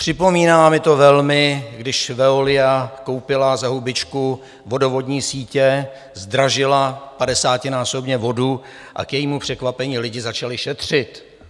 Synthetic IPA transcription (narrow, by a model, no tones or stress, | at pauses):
pr̥ɪpo̞miːnaːmɪt̪o̞vɛlmɪɡdɪʃvɛolɪjako̞wpɪlazaɦubɪt͡ʃku | vo̞do̞vo̞dɲiːsiːcɛ | zd̪ɾaʒɪlapadɛsaːcɪnaːso̞bɲɛvo̞du | ʔa̰kjɛjiːmupr̥ɛkvapɛɲiːlɪɟɪzat͡ʃalɪʃɛt̪r̝̥ɪt̪